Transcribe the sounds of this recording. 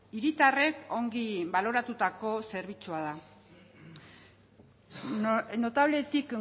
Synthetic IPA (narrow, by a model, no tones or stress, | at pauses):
iɾit̪are̞ko̞ŋɡiβalo̞ɾat̪ut̪ako̞se̞ɾβ̞it͡suaða | no̞t̪aβle̞t̪ik